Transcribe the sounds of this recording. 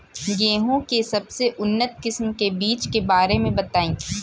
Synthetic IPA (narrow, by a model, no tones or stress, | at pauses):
jeːɦõkesɐbseʔʊnːət̪̚kɪsmkebiːt͡ʃkebaːɾemẽbɐt̪aːĩː